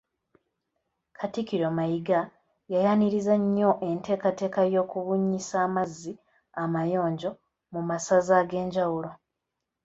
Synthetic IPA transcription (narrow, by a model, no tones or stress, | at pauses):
kʰatikiɾomajiɡa | jajaniɾizaɲːo̞ʔe̞nte̞ːkate̞ːkajo̞ːkuβuɲːisaːmazːi | amajo̞ːɲɟo̞ | mumasazaɡe̞ːɲɟawulo